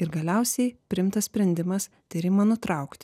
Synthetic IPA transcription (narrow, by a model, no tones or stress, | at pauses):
ɪɾɡɐlʲɛʊsʲɛɪpʲɾʲɪɪmt̪ɐssʲpʲɾʲɛnʲd̪ʲɪmɐs | t̪ʲiɾʲɪmɐnʊt̪ɾɐʊkt̪ʲ